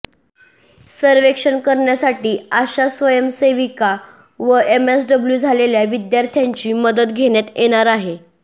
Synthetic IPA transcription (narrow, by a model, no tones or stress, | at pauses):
səɾʋekʂənkəɾɳjasaʈiːaɕasʋəjəmseʋika | ʋəemesɖəbljud͡zʱaleljaʋid̪jaɾt̪ʰjaɲt͡ɕiːməd̪ət̪ɡʱeɽjat̪jʔeɽ̃aɾaɦe